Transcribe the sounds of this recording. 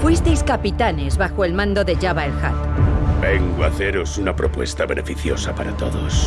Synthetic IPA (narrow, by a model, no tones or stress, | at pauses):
fwist̪ejskapit̪anezβaxoe̞lmãnd̪o̞ðe̞ʝaβaelxa̰t̪beŋɡoaθeɾo̞sunapɾopwe̞̰st̪aβenʔe̞fiθjosapaɾat̪oðos